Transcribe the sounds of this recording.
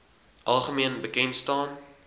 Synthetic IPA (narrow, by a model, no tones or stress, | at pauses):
ʔɐlˠχəmiənbəkɛntstɑːn